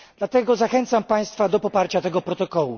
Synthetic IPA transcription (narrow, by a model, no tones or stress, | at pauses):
d̪̥lat̪ɛɡɔzaxɛnt̪sampaj̃st̪fad̪ɔpɔpaɾt͡ɕat̪ɛɡɔpɾɔt̪ɔkɔwṵ